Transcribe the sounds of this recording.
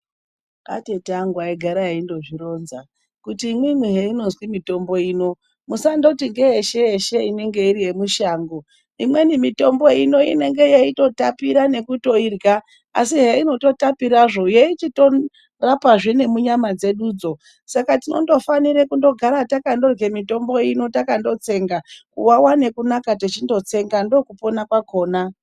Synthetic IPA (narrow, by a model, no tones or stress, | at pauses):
a̰tetaŋɡwaiɡʱaɾaɦeindo̞ʐiɾo̞ːnza | kutiːmwimwiɦeino̞nzwimito̞mbo̞iːno̞ | musando̞tiŋɡeɦeʃe̞eʃe̞ine̞ŋɡe̞iɾiɦe̞muʃaːŋɡo | imwe̞nimito̞mbo̞ino̞ḭne̞ŋɡe̞jaito̞tapiɾane̞kuto̞irɡa | a̰siɦeino̞to̞tapiɾaʐo̞jeit͡ʃito̞ | rapaʐine̞muɲamad͡ze̞ɗuːd͡zo̞ | sakatino̞̰ndo̞faniɾekundo̞ɡʱaɾatakando̞rɡe̞mito̞mbo̞ino̞takando̞t͡se̞ŋɡakṵwawane̞kunakatet͡ʃindo̞t͡se̞ŋɡando̞kupo̞nakwako̞ːna